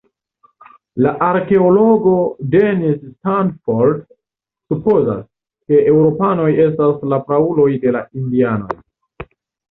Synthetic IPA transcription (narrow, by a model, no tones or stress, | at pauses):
laʔaɾke̞olo̞ɡo̞denistandfo̞ɾd | supo̞za̰s | ke̞ʔe̞wɾo̞pano̞je̞s̬taslapɾaulo̞jde̞laindiano̞̰j